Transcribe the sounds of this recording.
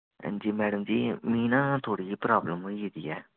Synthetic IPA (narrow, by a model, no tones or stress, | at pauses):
d͡ʒiːmɛːɖəmd͡ʒiːmĩːnãːt̪ʰoːɽiːpɾaːbləmɦoieːd̪ḭːɛː